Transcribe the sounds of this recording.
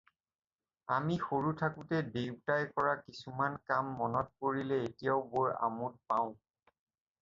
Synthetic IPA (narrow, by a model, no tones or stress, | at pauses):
amixoɹutʰakʊtɛdewtajkɔɹakisumankamːɔnɔt̚koɹilɛetijaʊboja̰mut̚paʊ̃